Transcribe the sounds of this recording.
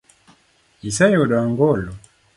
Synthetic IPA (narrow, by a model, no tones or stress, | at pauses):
isajɔɗaŋɡɔlɔ